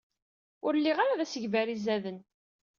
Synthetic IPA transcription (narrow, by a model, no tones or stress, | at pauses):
ʊɾlːiʁaɾaðæsəʝvæɾizæðən